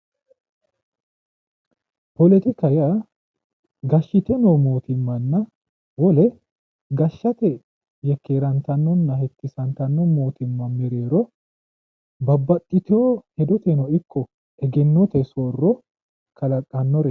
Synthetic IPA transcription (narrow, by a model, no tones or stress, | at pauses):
pɔlɛt̪ɪkɐja | ɡɐʃːɪt̪ɛnɔmoːt̪ɪmːɐnːɐ | wɔlɛ | ɡɐʃːɐt̪ɛ | jɛkːeːɾɐnt̪ɐnːɔnːɐhɛt̪ːɪsɐnt̪ɐnːɔmoːt̪ɪmːɐnmɛɾeːɾɔ | bɐbːɐt̪ʼːɪt̪ɛohɛd̪ɔt̪ɛnɔɪkːɔ | ɛɡɛnːɔt̪ɛsoːrːɔ | kʰɐlɐkʼːɐnːɔɾɛ